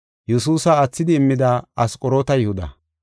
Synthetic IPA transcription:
jɛsuːsɐːt͡sːɪd̪ɪːmːɪd̪ɐɐskʼɔɾo̞ːt̪ɐjɛhʊd̪ɐ̰

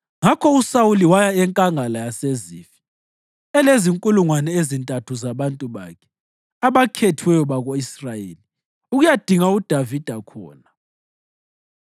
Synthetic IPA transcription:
ŋakʰɔusawuliwajaɛŋkʼaŋalajasezḭːfi̥ | ɛleziŋkʼuluŋwanɛezintʼatʰuzaβantʼuβa̰kʰɛ̥ | aβakʰetʰwɛjɔβaɣoisrajḛːli | uɣujad̥ʱiŋaud̥ʱavid̥ʱakʰɔ̰ːna

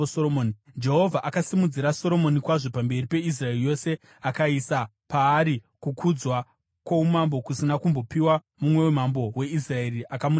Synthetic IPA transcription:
soomoːnd͡ʒe̞ɦo̞vʱaʔakasimud͡ziɾaso̞ɾo̞mo̞nikwaʐo̞pambe̞ripe̞is̬raerijo̞se̞ | akaisa | paːɾikukʰud͡zwa | kwaumambo̞kusinakumbo̞piwa | mumwe̞wemambo̞we̞is̬rae̞ɾiʔakamu

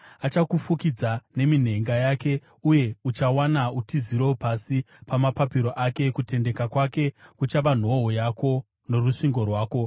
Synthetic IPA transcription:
at͡ʃakufukid͡zane̞min̤e̞ŋɡajake̞ | uje̞ut͡ʃawanautiziɾoopasi | pamapapiɾo̞ʔake̞kute̞nde̞kakwake̞kut͡ʃaʋan̤o̞ɦojako̞ | no̞ruʂiŋɡo̞rwaːko̞

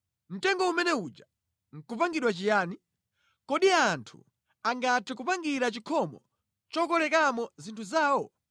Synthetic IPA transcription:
m̩tɛŋɡɔumɛnɛut͡ʃa | ŋ̩kupaŋɡiɗwat͡ʃijaːni | kɔɗiantʰu̥̰ | aŋɡatʰɛkupaŋɡiɾat͡ʃikʰɔmɔ | t͡ʃɔkɔlɛkamɔzintʰuzaːwɔ

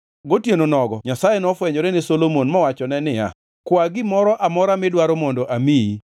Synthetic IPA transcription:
ɡotjenonɔɡɔɲasajenɔfwɛɲɔɾenɪsolomonmɔwat͡ʃɔnɛnɪa̰ | kwaɡɪmɔɾɔʔamɔɾamɪdwaɾomɔndɔʔamii

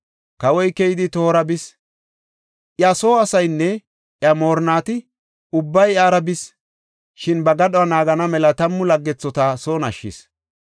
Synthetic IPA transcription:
kɐwɔjkːɛjɪd̪ɪt̪o̞ːɾɐbɪs | ʔjɐso̞ːɐsɐjnːɛ | ʔjɐmo̞ːɾnaːt̪ɪ | ʊbːɐjaːɾɐbɪs | ʃɪnbɐɡɐɗɔɐnaːɡɐnɐmɛlɐt̪ɐmːʊlɐɡːɛt͡sːɔt̪asoːnɐʃːɪ̰s

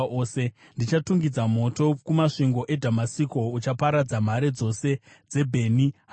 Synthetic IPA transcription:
oːse̞ | ndit͡ʃatuŋɡid͡zamo̞to̞kumaʂiŋɡo̞ʔe̞dʱamasiko̞ut͡ʃapaɾad͡zam̤aɾed͡zo̞se̞ | d͡ze̞bʱe̞ːniɦ

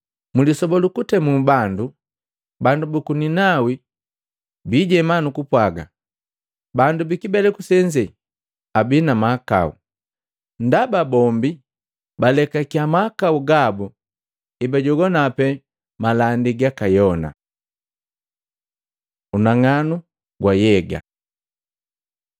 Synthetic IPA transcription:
mulisɔbɔlukutɛmubandu | bandubukuninawi | biɟɛmanukupwaɡa̰ | bandubikibɛlɛkusɛɲd͡ʒɛ | abinamaːka̰ṵ | ndababɔmbi | balɛkakiamakauɡabu | ibaɟɔɡɔnapɛ | malandiɡakajɔna̰ | unaŋanu | ɡwajɛɡa̰

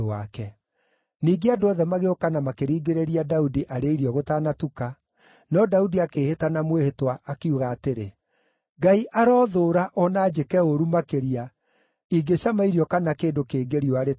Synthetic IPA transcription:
akɛ | niːɡeadoɔðɛmaɣeokanamakeɾiːɡeɾeɾiadaudiʔaɾeiɾiɔɣotaːnatuka | nɔdaudiakeːhetanamwehetwaʔːkeuɣaːteɾe | ɡaiʔaɾɔːðoːɾaʔɔnaːd͡ʒekɛoɾumakeɾia | iɡeɕamaiɾiɔkanakeːndokeːɡeɾiɔaɾe

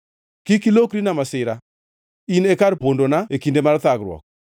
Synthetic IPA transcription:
kikilokɾinamasɪɾa | inekaɾpondonaekindemaɾt̪akɾwɔ̰k̚

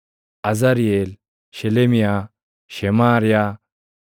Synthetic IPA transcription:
ɐzɐɾjel | ɕelemija | ɕemaːɾja

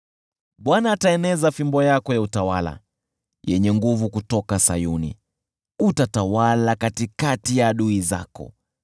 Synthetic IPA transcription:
ɓwanaːtaɛnɛzafimbɔjakɔjautawala̰ | jɛɲɛŋɡuvukutɔkasa̰junḭ | utatawalakatikatijaːɗuiza̰kɔ̰

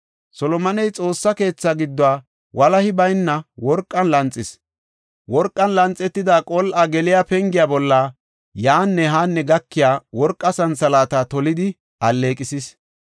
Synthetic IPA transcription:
sɔlɔmɐnɛjt͡sʼo̞ːsːɐke̞ːt͡sːaɡɪd̪ːɔwaː | wʔɐlɐhɪbɐjnːɐwɔɾkʼːɐnlɐnt͡sʼːɪs | wɔɾkʼːɐnlɐnt͡sʼːɛt̪ːɪd̪aːkʼɔlʔɐɡɛlɪjaːpɛŋɡɪjaːbɔlːaː | jaːnːɛɦaːnːɛɡɐkːɪjaːwɔɾkʼːɐsɐnsɐlaːt̪at̪ɔlɪd̪ɪ | ɐlːe̞ːkʼɪsɪs

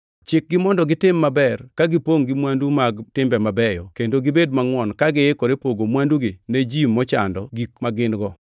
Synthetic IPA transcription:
t͡ʃɪk̚ɡɪmɔndɔɡɪtɪmːabɛrkaɡɪpoŋɡɪmwandumaɡtɪmbɛmabɛjɔkendoɡɪbedmaŋwɔnkaɡɪekoɾepoɡomwanduɡɪned͡ʒimːɔt͡ʃa̰ndɔɡikmaɡɪnɡɔ

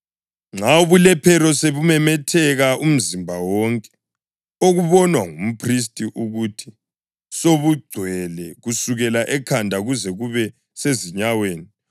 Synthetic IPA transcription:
ŋ͡ǁʱauβulɛpʰɛɾɔseβumɛmɛtʰɛɣaum̩zimbʱawɔŋkʼɛ̥ | oɣuβɔnwaŋum̩pʰris̬tʼiʔuɣutʰi̥ | soβuɡ͡ǀʱwɛlɛɣusuɣɛlaʔɛkʰandʱaɣuzɛɣuβɛ | seziɲaweːni

